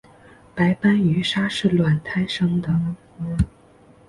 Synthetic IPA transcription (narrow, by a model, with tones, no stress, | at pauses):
pa˧˥ɪpa˥ny˧˥ʂa˥ʂɻ̩˥˩lwa˨˩nt̪ʰa˥ɪʂɤ˥ŋd̪ə˨